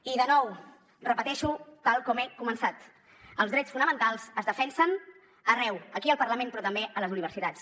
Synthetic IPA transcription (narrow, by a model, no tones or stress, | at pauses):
iðənɔw | rəpət̪ɛʃut̪alˠkɔmɛkumənsat̪ | əlzðɾɛt͡sfunəmənt̪alˠzəzðəfɛnsən | ərɛwəkiəlˠpəɾrləmenpɾɔt̪əmbeələzuniβ̞əɾsit̪at͡s